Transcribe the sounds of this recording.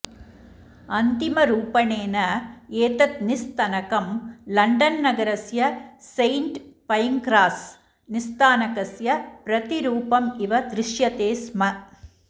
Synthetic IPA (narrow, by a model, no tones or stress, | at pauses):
ɐnd̪ɪmɐɾuːpɐneːnɐeːt̪ɐt̪nɪst̪ɐnɐkɐmlɐɳɖɐnːɐɡɐɾɐsjɐsɐɪɳʈpɐjŋkɾaːs | nɪst̪aːnɐkɐsjɐpɾɐt̪iɾuːpɐmɪʋɐd̪ɾɪʂjɐt̪eːsmɐ